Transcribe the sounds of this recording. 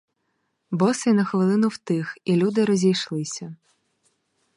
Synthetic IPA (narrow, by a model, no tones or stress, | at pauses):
bɔsɪnɐxʋɪlˠɪnʊwt̪ɪxilʲud̪ɪɾɔzʲijʃlˠɪsʲɐ